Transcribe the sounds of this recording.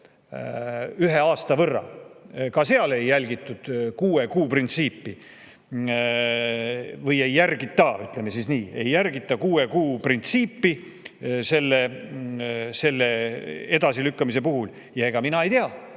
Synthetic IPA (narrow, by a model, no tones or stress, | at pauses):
yɦe̞ɑːst̪ɑvɤrːɑ̰kɑse̞ɑle̞jːælʲɡit̪ːˑud̪̥kuːekuːprint̪siːpːi | vɤje̞jːærɡit̪ːɑyt̪ˑle̞mesisniːe̞̰jːærɡit̪ːˑɑkuːekuːprint̪siːpːi | se̞lːe̞ | se̞lːe̞ed̪̥ɑsilykːɑmise̞puɦul | jɑe̞ɡ̥ɑminɑe̞jt̪eɑ